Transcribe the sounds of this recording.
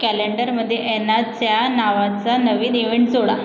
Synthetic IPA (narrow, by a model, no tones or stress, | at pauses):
kæleɳɖəɾməd̪ʱːjeʔɛnːat͡sjanaʋat͡sanəʋiːneʋeɳʈd͡zoɽa